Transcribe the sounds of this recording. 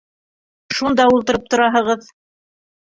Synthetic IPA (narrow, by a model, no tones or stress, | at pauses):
ʃund̪ɑulˠt̪ɤ̆ɾɤp̚t̪ŏɾɑɦɤ̆ʁɤð